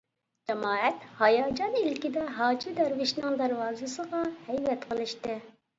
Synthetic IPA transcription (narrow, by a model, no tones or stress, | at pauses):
d͡ʒɛmɑːɛt̪hɑjɑːd͡ʒɑnilkʲid̪ɛɦɑːd͡ʒɪd̪æɾvɪʃnɨŋd̪æɾwɑːzɨsəʁɑhɛjvɛt̪qʰəlˠɨʃt̪ɪ